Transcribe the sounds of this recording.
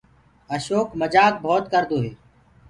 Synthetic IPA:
əʃoːkməd͡ʒaːk̚bʱoːt̪̚kəɾd̪oːɦeː

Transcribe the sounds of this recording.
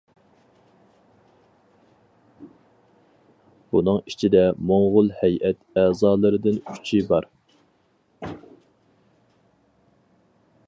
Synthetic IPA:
b̥unɨŋit͡ʃʰid̪ɛmoŋʁʊlˠhɛjʔɛt̪ɛːzɑːlˠɨɾɨd̪ɨnʰyt͡ʃʰibɑɾ

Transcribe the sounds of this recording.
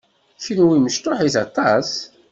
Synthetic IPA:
çinwiməʃt̪oħiθɑt̪ˤɑs

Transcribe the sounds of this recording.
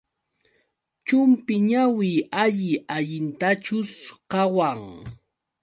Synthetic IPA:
t͡ʃʊmpɪɲawɪːaʎɪaʎɪnt̪at͡ʃʊskawaŋ

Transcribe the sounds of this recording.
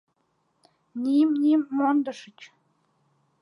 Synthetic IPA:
nʲimʲnʲimʲːond̪ɤ̆ʂə̆t͡ɕ

